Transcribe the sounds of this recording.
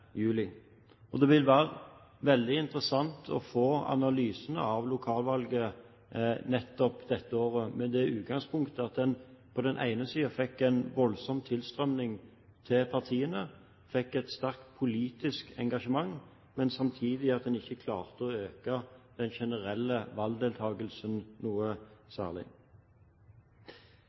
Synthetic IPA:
jʉːlɪ | ɔd̪ɛʋɪlʋæːʁə | ʋɛld̪ɪɪnt̪ʁəsɑnt̪ʰɔ̰foːɑ̰nɑlyːsənə̰ɑʋlʊkʰɑːlʋɑlɡə | nɛt̪ːɔpd̪ɛt̪ːəoːʁəmɛd̪ɛʉːt̪̚ɡɑŋspʰʊŋkt̪əɑt̪̚d̪ɛnpʰɔd̪ɛnʔæ̰ɪnəsiːɑfɛkːæɪnʋɔlsɔmt̪ʰɪlst̪ʁœmnɪŋ | t̪ʰɪlpʰɑʁt̪ʰiːənə | fɛkːɛt̪st̪æʁkt̪pʰʊliːt̪ɪskɛ̰ŋɡɑʂəmɑŋ | mɛnsɑmt̪ʰiːd̪ɪɑt̪̚d̪ɛnɪçːəkʰlɑ̰ːʁt̪əɔøːkɑd̪̥ɛnʃɛnəʁɛlːəʋɑld̪eːlt̪ʰɑːɡəlsənnuːəsæ̰ːʁlɪ̰

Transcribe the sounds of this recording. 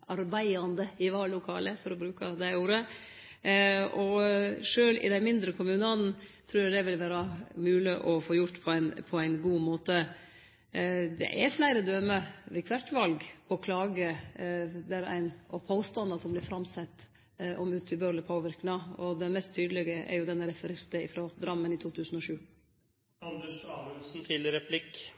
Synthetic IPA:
ɑɾbæɪɑnd̪əɪʋɑːlʊkʰɑ̰ːləfɔɾɔbɾʉːkɑd̪æɪuːɾə | ɔʂøːlɪ̰d̪ænmɪnd̪ɾəkʰʊmʉːnɑnn̩t̪ʰɾuːɾæd̪ɛʋɪlʋæːɾɑmʉːlɪʔɔfoːjʊʈːpʰɔæɪnpʰɔæɪnɡuːmoːt̪ə | d̪ɛ̰ʔɛflæɪɾəd̪øməʋɛkʰʋæʈʋɑlɡɔkʰlɑːɡə | d̪æɾæ̰ɪnɔpʰoːst̪ɑnd̪ɑsɔmblɪɾfɾɑmsɛt̪ː | ʔɔmʉːt̪ʰɪbøːɾləpʰoːʋɪɾknɑɔd̪ɛnmɛst̪ʰːyːd̪əlɛɡəʔɛ̰ɾjʊd̪ɛnːəɾɛfəɾɪɾt̪əɪfɾɔd̪ɾɑmːənɪt̪ʰuːt̪ʰʉːsən̩ɔʃʉː | ɑnd̪ɛʂɑːmʉnsn̩t̪ʰɪləɾɛpʰlɪkː

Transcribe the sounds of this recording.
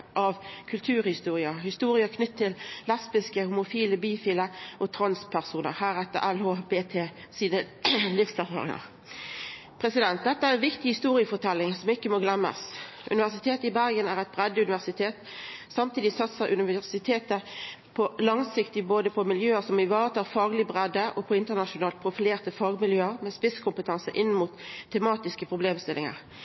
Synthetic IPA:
ʔɑʋkʰʉlt̪ʰʉːʁhɪst̪uːʁɪəhɪst̪uːɾɪəkʰnʏt̪ʰːɪllɛspɪskəhʊmʊfiːləbiːfiːləʔɔt̪ʰʁɑnspʰæʁsuːnə̰ʁhæːʁɛt̪ːə̰ʔælhoːbeːt̪ʰeː | siːnə | lɪfsæʁfɑ̰ːʁɪ̰ŋɑ̰ʁ | pʰʁɛsɪd̪ɛnt̪̚d̪ɛt̪ːəæːʁɛnʋɪkt̪ɪhɪst̪uːʁɪəfɔʁt̪ʰɛlːɪŋsɔmɪkːəmɔɡlɛmːə̰s | ʔʉ̰nɪʋæʁsɪt̪ʰeːt̪ɪbæʁɡənæʁæɪt̪̚bʁɛd̪ːʉnɪʋæʁsɪt̪ʰeːt̪ | sɑmt̪ʰiːd̪ɪsɑt̪səʁʔʉnɪʋææʁsɪt̪ʰeːt̪əpʰɔlɑŋsɪkt̪ɪboːd̪əpʰɔmɪljøːəsɔmɪʋɑːʁət̪ʰɑːʁfɑːɡlɪbʁɛd̪ːəʔɔpʰɔɪnt̪ənɑʃʊnɑːlt̪̚pʰʁʊfɪleːʁt̪əfɑːɡmɪljøːəʁmɛspɪskʰʊmpət̪ʰɑnsəʔɪnːəmuːt̪ʰːɛmɑːt̪ɪskəpʰʁʊbleːmst̪ɪlɪŋə̰ʁ

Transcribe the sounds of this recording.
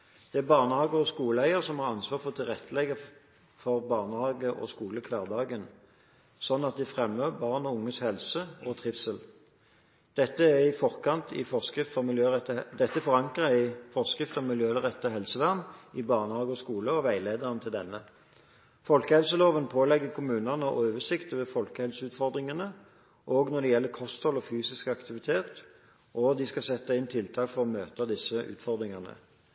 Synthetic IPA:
d̪̥ɛæbɑʁnəhɑːɡəʁɔskuːləæɪəʁsɔmhɑʁɑnsʋɑːʁfɔt̪ʰɪlʁɛt̪ːəlɛɡə | fɔʁbɑʁnəhɑːɡəʔɔ̰skuːləkʰʋɑːʁd̪ɑːɡən | sɔnːɑt̪̚d̪ɛfʁɛmːəbɑːʁnɔʊŋːəshɛlsəɔt̪ʰʁɪfsəl | d̪̥ɛt̪ːəæʁɪfɔʁkʰɑnt̪ʰɪ̰fɔʁskʁɪft̪fɔmɪljøːʁɛt̪ːəd̪ɛt̪ːəfɔʁɑŋkʁəæɪfɔʁskʁɪft̪əɔmɪljøːʁɛt̪ːəɦɛlsəʋæʁnɪbɑːʁnəhɑːɡəɔskuːləɔʋæɪleːd̪ɑʁənət̪ʰɪld̪ɛnːə | fɔlkəhɛlsəloːʋənpʰoːlɛɡːəkʰʊmʉːnɑnəɔoːʋəsɪkt̪ɔʋefɔlkəhɛlsəʉːt̪fɔʁd̪ʁɪŋənə | ʔoːɡnɔʁd̪ɛjɛlːəkʰɔst̪hɔlɔfyːsɪskɑkt̪ɪʋɪt̪ʰeːt̪ | ʔɔd̪ɪskɑsɛt̪ːəɪnt̪ʰɪlt̪ʰɑːkfɔʁɔmøːt̪əd̪ɪsəʔʉ̰ːt̪fɔʁd̪ʁɪŋɑnə̰

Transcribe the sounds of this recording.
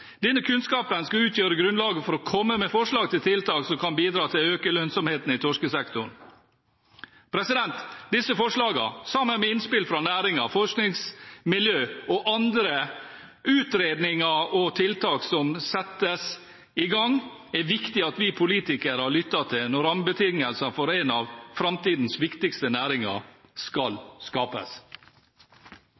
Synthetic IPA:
d̪ɛnːəkʰʉnskɑːpənskɑʉːt̪ʰjøːɾəɡɾʉnlɑːɡəfɔɾɔkʰɔmːəmɛfɔʂlɑːɡ̚t̪ɪlt̪ʰɪlt̪ɑːksɔmkʰɑnbiːd̪ɾɑːt̪ʰɪløːkəlœnsɔmheːt̪n̩ɪt̪ʰɔʂkəsɛkt̪ʊɳ | pʰɾɛsɪd̪ɛnt̪d̪ɪsəfɔʂɭɑːɡə̰sɑmːənmɛɪnspɪlfɾɑnæːɾɪŋɑfɔʂknɪŋsmɪljøːɔʔɑnd̪ɾə | ʉːt̪ɾeːd̪nɪŋɑɔt̪ʰɪlt̪ɑːksɔmsɛt̪əs | ɪɡɑŋ | ɛʋɪkt̪ɪɑt̪ʋɪpʰʊliːt̪ɪkəɾəhɑɭʏt̪ːɑt̪ʰɪlnɔɾɑmbət̪ʰɪŋəlsənfɔɾæɪnɑʋfɾɑmt̪iːd̪n̩sʋɪkt̪ɪkst̪ənæːɾɪŋɑ̰skɑlskɑːpə̰s

